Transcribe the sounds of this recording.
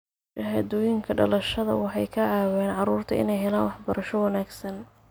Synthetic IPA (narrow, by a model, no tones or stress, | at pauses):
t͡ʃɐɦɐd̪ɔːjɪŋkʰɐɖɐ̰lɐʃɐðɐ̰wɑħɑjkʰɐʕɑːwɛːnʕɑruːrt̪ʰɐɪ̰nɛjɦɛlaːnwɑħbɐɾɐʃɔwɐnaːɡsɐn